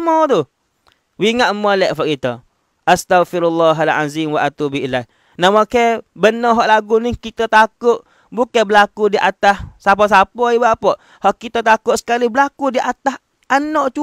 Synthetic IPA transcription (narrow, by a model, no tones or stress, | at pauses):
mɔt̪u | wiŋaʔmːɔlɛʔfaʔkit̪ɔ̰ | ʔast̪aɣfiɾulːɑɦalʕa̰zimwaʔat̪ubiilah | namakɛbənɔɦɔʔlaɡunikit̪ɔt̪akʊʔ | bukabəlakudiʔat̪ahsap̬ɔs̬apɔibaapɔʔ | hɔʔkit̪ɔt̪akʊʔsə̥kalibəlakudiʔat̪as | anɔʔt͡ʃu